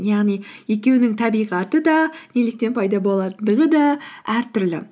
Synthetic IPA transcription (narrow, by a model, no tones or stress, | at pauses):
jɑʁnijje̞kʲe̞wnɪŋt̪ʰɑbijʁɑt̪əd̪ɑnelɪk̚t̪e̞npʰɑjd̪ɑbo̞lˠɑt̪d̪əʁəd̪ɑæɾt̪ʰʏɾlɪ̰